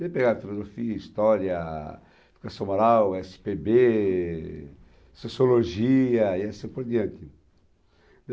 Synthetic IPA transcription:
d̪epeɡafilozofiɐist̪ɔɾjɐ | fi̥kɐsõmaɾawɛsɪ̥pebe | sosioloʒiɐiasĩpoɾd̪iɐ̃nt̪ɪ | d̪

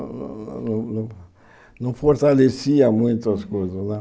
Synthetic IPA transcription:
ñ̰nɐ̃nɐ̃w̃ | nɐ̃w̃foɾt̪alesiɐmũj̃t̪ɐskojzɐsnɛ

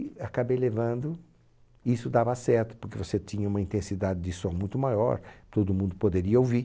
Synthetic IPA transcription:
akabejlevɐ̃nd̪ʊ | isʊd̪avɐasɛɾt̪ʊ̥poɾkevoset͡ʃ̪ĩɲɐũmɐĩnt̪ẽsid̪ad͡ʒɪd͡ʒɪsõmũj̃t̪ʊmajɔ̰ɾt̪od̪ʊmũnd̪ʊpod̪eɾiɐowvi

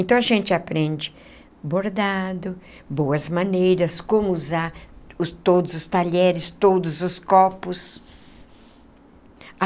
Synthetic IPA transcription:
ẽnt̪ɐ̃w̃ɐʒẽnt͡ʃɪapɾẽd͡ʒɪ | boɾd̪ad̪ʊ | bowɐzmɐ̃nejɾɐskõmʊuzaɾʊt̪od̪ʊzʊst̪aʎɛɾɪst̪od̪ʊzʊskɔpʊs

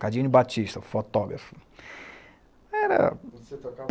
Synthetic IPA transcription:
kad͡ʒĩnʊbat͡ʃist̪ɐfot̪ɔɡɾɐfʊ̥ | ɛɾɐ̰

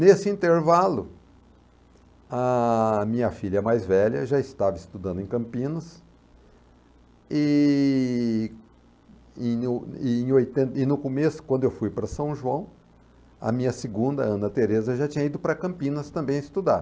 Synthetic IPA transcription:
nesɪĩnt̪eɾvalʊ̰ | ɐmĩɲɐfiʎɐɛmajzvɛʎɐ̰ʒaɪst̪avɐɪst̪ud̪ɐ̃d̪ʊẽkɐ̃mpĩnɐs | ɪ | ẽʊẽj̃ojt̪ẽnt̪ɪnʊkomesʊ̥kwɐ̃d̪ʊewfujpɾɐsɐ̃w̃ʒuɐ̃w̃ | ɐ̰mĩɲɐsɪɡũnd̪ɐɐ̃nɐt̪eɾezɐʒat͡ʃĩɲɐid̪ʊpɾɐkɐ̃mpĩnɐst̪ɐ̃mbẽj̃ɪst̪ud̪aɾ

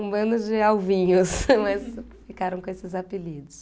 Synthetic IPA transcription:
ũbɐ̃nd̪ʊd͡ʒɪawvĩɲʊsmɐs | fikaɾɐ̃w̃kõesɪzapilid̪ʊs

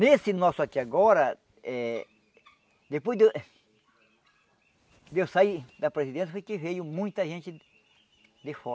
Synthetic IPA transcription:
nesɪnɔsʊakiaɡɔɾɐ | ɛ | d̪epojzd̪e | d̪ewsajd̪apɾesid̪ẽnfojkevejʊmũj̃t̪ɐʒẽnt͡ʃ̪ɪ | d̪efɔɾ

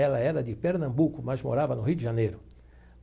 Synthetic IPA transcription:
ɛlɐɛɾɐd̪ɪpeɾnɐ̃mbukʊmɐzmoɾavɐnʊɦiwd̪ɪʒanejɾʊ

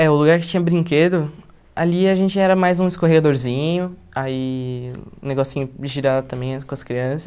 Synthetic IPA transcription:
ɛʊluɡaɾkɪ̥t͡ʃĩɲɐbɾĩŋked̪ʊ | a̰liaʒẽnt͡ʃɪɛɾɐmajzũɪskoɦeɡad̪oɾzĩɲʊ | ai | ṵ̃neɡɔsʊzĩɲʊd͡ʒɪʒiɾad̪ɐt̪ɐ̃mbẽj̃ɐkõɐskɾiɐ̃sɐ̥s

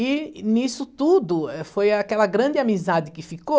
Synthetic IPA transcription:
ɪnisʊt̪ud̪ʊɛfojakɛlɐɡɾɐ̃d͡ʒɪamizad͡ʒɪkɪfiko

